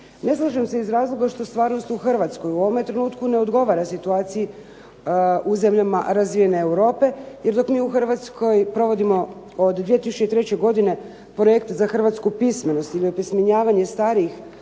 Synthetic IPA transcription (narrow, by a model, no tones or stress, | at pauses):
ne̞slˠaʒemse̞izɾaːzlˠo̞ɡaʃt̪o̞st̪ʋaːɾno̞st̪uxr̩ʋat̪sko̞juoʋome̞t̪ɾenuːt̪kune̞o̞d̪ɡo̞ʋaɾasit̪uaːt̪siji | uze̞mʎama̰ɾazʋiːje̞ne̞ːwɾo̞ːpe̞jeɾd̪o̞kmiːuxr̩ʋat̪skʰo̞jpɾo̞ʋo̞d̪imo̞ | od̪ːʋije̞t̪isu̥t͡ɕeit̪ɾet͡ɕe̞ɡo̞d̪ine̞ | pɾo̞jekt̪zaxrʋat̪skupisme̞no̞st̪ilipismeɲaːʋaɲe̞st̪aːɾiix